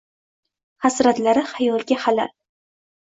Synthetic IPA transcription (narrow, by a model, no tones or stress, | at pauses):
hasɾat̪laɾɪhajɒlˠɡʲahala̰l